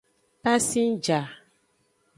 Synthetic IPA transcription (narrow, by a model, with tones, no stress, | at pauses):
pa˦si˦n˦d͡ʒa˨